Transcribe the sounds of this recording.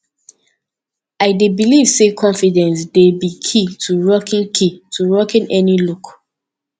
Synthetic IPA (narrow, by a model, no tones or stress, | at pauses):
aɪdebiliv̥sekʰɔ̃nfidɛ̃nsdebikʰitʰuɹɔkĩnkʰitʰuɹɔkĩnʔɛniluk